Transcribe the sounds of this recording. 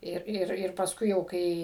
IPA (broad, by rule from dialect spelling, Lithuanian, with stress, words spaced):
ˈɪr ˈɪr ɪr pɐsˈkʊɪ jɛʊ ˈkɐɪ